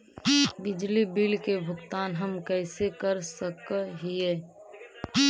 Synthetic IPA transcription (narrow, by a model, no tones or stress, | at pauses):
bɪd͡ʒlibɪlkebʱʊkt̪aːnɦəmkɛːsekəɾsəkɦieː